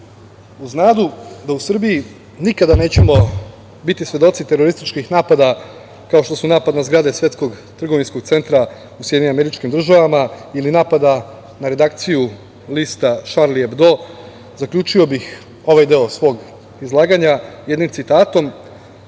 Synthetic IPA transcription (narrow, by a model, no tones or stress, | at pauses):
uznaːd̪ud̪ausr̩biji | nikad̪ane̞ːt͡ɕemo̞ | bit̪isʋje̞d̪o̞t̪sit̪e̞ɾo̞ɾist̪it͡ʃkixnaːpad̪a | kao̞ʃt̪o̞sunaːpad̪nazɡɾad̪e̞sʋje̞t̪sko̞ɡ | t̪r̩ɡo̞ʋinsko̞ɡt̪se̞nt̪ɾa | usjeiɲimame̞ɾit͡ʃkimd̪r̩ʒaʋamailinaːpad̪a | naɾe̞d̪ak̚t̪siju | liːst̪aʃaɾliebd̪o̞ | zakʎʲuːt͡ʃio̞bix | o̞ʋajd̪e̞o̞sʋo̞ːɡ | izlˠaːɡaɲajed̪nimt̪sit̪aːt̪o̞m